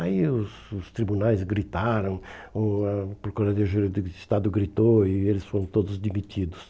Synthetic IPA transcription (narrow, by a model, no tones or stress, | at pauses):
aiʊsʊst̪ɾibunajzɡɾit̪aɾɐ̃w̃opoɾkazɐd̪eʒeɾd̪ɪɪst̪ad̪ʊɡɾit̪oɪelɪsfoɾɐ̃w̃t̪od̪ʊzd̪imit̪ʰid̪ʊs